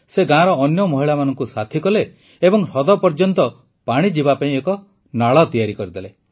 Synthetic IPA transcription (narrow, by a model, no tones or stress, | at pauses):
seɡãɾɔːnjɔmɔɦiɭamanɔŋkusat̪ʰikɔle | ebɔŋɾɔd̪ɔpɔɾd͡ʒɔnt̪ɔ | paɽ̃id͡ʒibapaĩekɔ | naɭɔt̪ijaɾikɔɾid̪ele